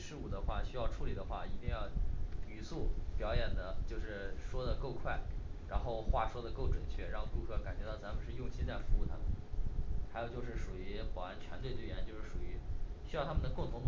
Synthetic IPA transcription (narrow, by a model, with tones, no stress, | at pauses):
ʂɻ̩˥u˨˩d̪ə˦xwa˥˩ɕy˥jɑ˥˧ʊʈ͡ʂʰu˧˥˩li˨˩d̪ə˦xwa̰˥˩i˧˥t̪i˥˧ŋjɑ˥˩ʊy˨˩su˥˩pjɑ˨˧˥ʊjɛ˨˩nd̪ə˦t͡ɕjo˥˧ʊʂɻ̩˥˩ʂwɔ˥d̪ə˨ko˥˧ʊkʰwa˥˩ɪɻa˧˥nxo˥˧ʊxwa˥˩ʂwɔ˥d̪ə˨ko˥˩ʊʈ͡ʂwə˨˩nt͡ɕʰɥɛ˥˩ɻɑ˥˧ŋku˥˧kʰɤ˥˩ka˨˩nt͡ɕɥɛ˧˥t̪ɑ˥˩ʊt͡sa˧˥mə˧ʂɻ̩˥˧jʊ˥˧ŋɕi˥t͡sa˥˩ɪfu˧˥u˥˩t̪ʰa˥mə̰˨˩nxa˧˥ɪjt͡ɕjʊʂɻ̩˥˩ʂu˨˩i˧˥xɔ˨˩a˧˥nt͡ɕʰɥɛ˧˥nt̪we˧ɪt̪we˥˩ɪjɛ˧˥nt͡ɕjo˥˧ʊʂɻ̩˥˩ʂu˨˩y˧˥ɕy˥jʊt̪ʰa˥mə˨nd̪ə˩kʊ˥˩ŋt̪ʰʊ˧˥ŋ˧